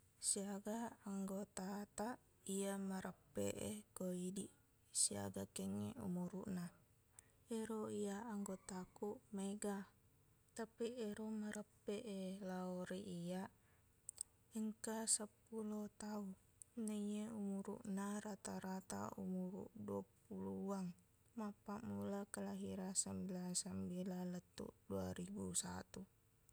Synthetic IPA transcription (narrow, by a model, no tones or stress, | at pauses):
siaɡaːŋɡot̪at̪aʔ | iaməɾəpːḛʔekoidi | sia̰ɡakeŋḛṵmuɾṵʔna | eɾoijaaŋɡot̪akuʔmeɡa | t̪apieɾoməɾəpːeʔelaoɾiʔia | əŋkasəpulot̪au | nəieumuɾṵʔnaɾat̪aɾat̪a̰ṵmuɾṵʔduapuluaŋ | mapaʔmulakəlaɦiɾasambilasambilalət̪ːṵʔdua̰ɾibusa̰t̪u